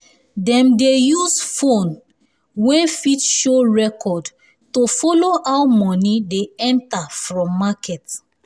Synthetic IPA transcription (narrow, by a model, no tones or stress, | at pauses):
dɛ̃mdejuzfõn | wɛ̃nfitʃoɹɛkʰɔd | tofɔloʔawmɔ̃nideɛ̃ntafɹɔ̃mːakʰɛt